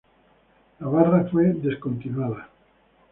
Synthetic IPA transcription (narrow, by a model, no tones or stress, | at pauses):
laβarafweðeskont̪inaða